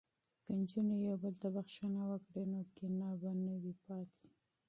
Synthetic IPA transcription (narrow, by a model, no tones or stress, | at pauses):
kand͡ʒunajawbəlt̪abaxʃanawəkɽenokenɑbanawipɑt̪ʰi̥